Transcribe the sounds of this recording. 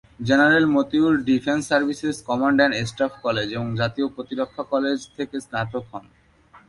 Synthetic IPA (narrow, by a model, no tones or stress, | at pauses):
d͡ʑenaɾelmot̪iuɾɖifʰensːaɾbʱiseskɔmaɳɖeɳʈesʈafkɔled͡ʑeboŋd͡ʑat̪iopɾot̪iɾokʰːakɔled͡ʑt̪ʰekesnat̪okɦɔn